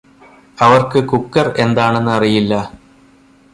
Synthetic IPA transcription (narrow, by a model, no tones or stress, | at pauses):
ɐʋɐrkɨkukːɐre̞nd̪aːɳe̞nːɨɐrijilːɐ